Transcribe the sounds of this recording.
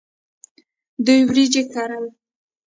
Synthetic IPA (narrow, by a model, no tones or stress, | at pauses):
d̪ujwɾid͡ʒekaɾal